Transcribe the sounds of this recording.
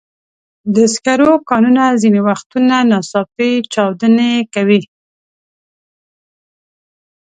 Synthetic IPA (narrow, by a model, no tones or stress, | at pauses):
d̪əskaɾokɑnunazinewaxt̪unanɑsɑfit͡ʃɑwd̪ənekawi